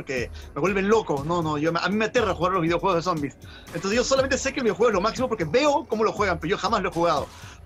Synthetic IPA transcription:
ɾkeme̞βwe̞lβe̞nlo̞ko̞no̞no̞ʝoma̰mĩmeat̪e̞raxuɣaɾlozβiðeoxweɣoðeso̞mbis | ent̪onseʝosolament̪ese̞kelβiðexwee̞lo̞maksimo̞p̬oɾke̞βe̞oko̞mo̞lo̞xweɣampeɾoʝo̞xamaslo̞exuɣaðo̞̰

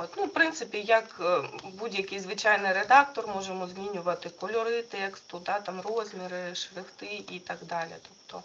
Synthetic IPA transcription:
ot̪ʲnufpɾɪnt̪sɪpʲijɐkbudʲjɐkɪjzʋɪt͡ʃɑjnɪjɾed̪ɑk̚t̪ɔrmɔʒemɔzʲmʲinʲʊʋɐt̪ɪkɔlʲɔɾɪt̪ɛkst̪ʊd̪ɑt̪ɑmrozʲmʲɪɾɪʃɾɪxt̪ɪit̪ɑɡd̪ɑlʲɪ̰t̪ɔppt̪ɔ

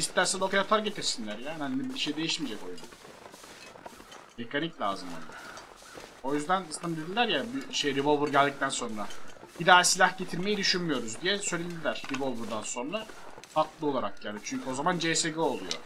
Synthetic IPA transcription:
ist̪ːæɾsid̪okʰajat̪ʰaɾɟe̞t̪ʰiɾsinlʲæɾjaːnaninɛbiʃejid̪e̞jiʃmiːd͡ʒɛko̞jyzd̪æn | me̞kʰaniclʲa̰ːzɯmo̰na | o̞jyzd̪ænist̪ʰand̪ed̪ilʲæɾjabyʃejɾivolˠvuɾɟælʲd̪ic̚t̪ʰænso̞nɾabid̪aːsilʲahɟe̞t̪ʰiɾme̞jid̪yʃynmijo̞ɾuzd̪ijɛsøjlʲelʲid̪ilʲæɾ̥ɾivolˠvuɾd̪anso̞nɾa | fak̪lˠɯo̞lˠaɾakjaːnit͡ʃʰyɲcʰyo̞zamand͡ʒeːseɡøolˠṵjo̰

